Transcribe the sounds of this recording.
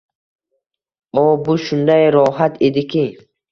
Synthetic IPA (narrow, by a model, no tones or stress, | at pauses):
ɔbuʃund̪aeɾɔːɦat̪ʰid̪ikʰi